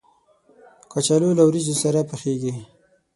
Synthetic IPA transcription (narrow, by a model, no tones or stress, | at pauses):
kat͡ʃalolawɾizosaɾapəxeɡi